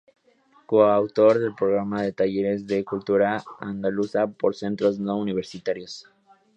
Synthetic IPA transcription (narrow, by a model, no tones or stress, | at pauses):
koawt̪o̞ɾðe̞lpɾoɣ̞ɾamaðe̞t̪aʝe̞ɾe̞zðe̞kult̪uɾaand̪alusapo̞ɾse̞nt̪ɾo̞znouniβ̞e̞ɾsit̪aɾjos